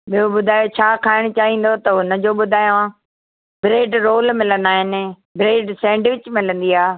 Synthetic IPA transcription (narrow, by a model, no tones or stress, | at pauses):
ɓijoɓʊd̪ʱaːjot͡ɕʰaːkʰaːɪɽ̃t͡ɕaːɦĩːn̆d̪ot̪ɐʊnə̆d͡ʑoːɓʊd̪ʱaːjoã | bɾeːɖɾoːlmɪlə̃nd̪aːɦɪnɪ̆ | bɾeːɖsɛ̃ːɳɖʋɪt͡ɕmɪlə̃nd̪iaː